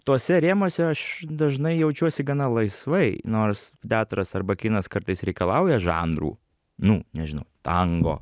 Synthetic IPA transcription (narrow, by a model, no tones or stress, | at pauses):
t̪oːsʲɛɾʲeːmoːsʲɛɐʃd̪ɐʒnɐɪjɛʊt͡ʃʲuɔsʲɪɡɐnɐlˠɐɪsʋɐɪnoːrst̪ʲæːt̪ɾɐsɐɾbɐkʲɪnɐskɐɾt̪ɐɪsɾʲɛɪkɐlˠɐʊjɛʒɑ̰ːnɾṵː | nʊnʲɛʒʲɪnɐ̰ʊt̪ɐŋɡo̰ː